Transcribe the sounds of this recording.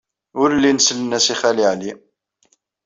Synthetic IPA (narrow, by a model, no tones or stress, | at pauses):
ʊɾlinəsələnæsiχæliʕli